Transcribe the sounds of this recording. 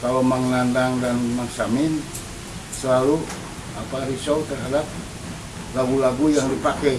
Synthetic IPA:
kalomaŋnandaŋdanmaŋsamin | səlalu | apaɾisɔut̪ərɦadap̚ | laɡulaɡujaŋdipakɛ

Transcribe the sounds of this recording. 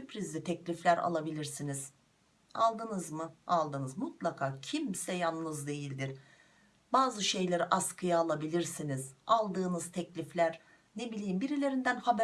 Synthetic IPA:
sypʰɾizlʲit̪ʰɛclʲiflʲæɾa̰lˠabilʲiɾsiniz̥ | alˠd̪ɯnɯzmɯalˠd̪ɯnɯzmut̪lˠakʰaːcʰimsɛjanːɯzd̪e̞jilʲd̪iɾ̥ | baːzɯʃe̞jlʲeɾiʔaskʰɯjaːlˠabilʲiɾsiniz̥alˠd̪ɯːnɯzt̪ʰɛclʲiflʲæɾ | ne̞bilʲiːmbiɾilʲe̞ɾind̪ænhabæ

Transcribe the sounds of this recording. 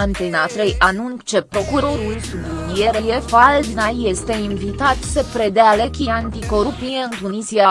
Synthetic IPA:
ant̪enat̪ɾejʔanunt͡ʃepɾo̞kuɾo̞ɾulsub̪enijeɾejefalnaje̞st̪e̞iɱvit̪at̪səpɾed̪ealekʲiant̪iko̞ɾupijeɨnt̪unisia

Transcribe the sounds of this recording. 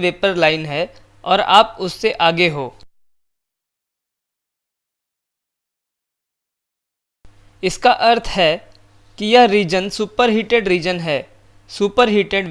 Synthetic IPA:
ʋeːpəɾlaːɪnɦɛ | ɔːɾa̰ːpʊsːeʔaːɡeɦoː | ɪskaʔɐɾt̪ʰɦɛ | kijɐɦɾiːd͡ʒənsuːpəɾɦiːʈeɖɾiːd͡ʒənɦɛː | suːpəɾɦiːʈeɖʋ

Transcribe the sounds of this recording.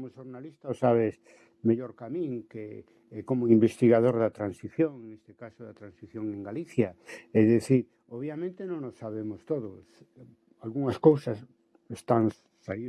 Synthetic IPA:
kmoʃoɾnalist̪aosaβ̞es | meʎoɾkamĩŋke | ɛkomoimbest̪iɣað̞oɾðat̪ɾansiθjoŋŋest̪ekasʊðat̪ɾansiθjoŋẽŋɡaliθjaɛðeθiɾ | oβjamẽnt̪enõŋnosːaβemost̪oðʊs | alɣuŋaskowsɐs | est̪aŋ | sai

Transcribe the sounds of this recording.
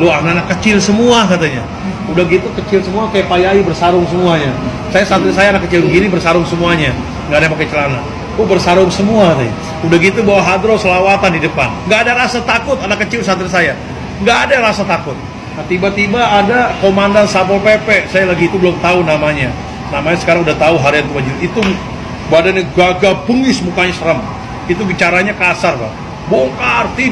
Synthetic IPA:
loanaːnakːət͡ʃɪlsəmuakat̪aɲa̰ | udahɡit̪ukət͡ʃɪlsəmuakajapajaibərsaɾʊŋsəmuaɲa | sajasant̪ɾisajaːnakːət͡ʃɪlbɡinibərsaɾʊŋsəmuaɲa | ŋɡadapakajt͡ʃəlana | obərsaɾʊŋsəmuakat̪aɲa̰ | udahɡit̪ubawaɦad̪ɾosəlawat̪andidəpa̰nŋɡaːdaɾasat̪akʊt̪anakːət͡ʃɪlsat̪ɾisaja | ŋɡaːdaɾasat̪akʊt̪̚ | nat̪ibat̪ibaːdakomandansapɔlpepɛʔsajalaɡiːt̪ubəlʊmt̪aunamaɲa | namaɲasə̥kaɾaŋudaht̪auɦaɾiat̪̚kubad͡ʒuit̪u | badanɲaɡaɡapəŋɡɪsmukaɲasəɾəm | it̪̬uɡit͡ʃaɾaɲakasarba̰ | boŋkart̪i

